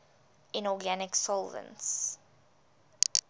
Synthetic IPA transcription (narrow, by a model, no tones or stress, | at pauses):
ʔɪ̃nɔɡænɪksɔlˠvə̰̃nts